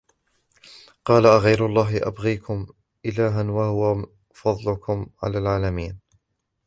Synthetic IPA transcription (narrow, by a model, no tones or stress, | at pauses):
qɑːlaʔaɣajɾʊlˤːɑːɦɪʔa̰bɣiːkʰʊm | ʔɪlaːɦanwahʊwa | fɑd̪ˤlʊkʊmʕa̰laːlʕaːlamiːn